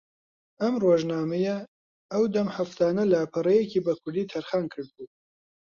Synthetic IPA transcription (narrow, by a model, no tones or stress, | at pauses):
ɐmroːʒnaːmɐjɐ | ɐwd̪ɐmhɐft̪ʰaːnɐlɐpʰɨrejekiːbɐkʰʊɾd̪iːt̪ʰɐɾxɑːnkʰɨɾd̪̚buː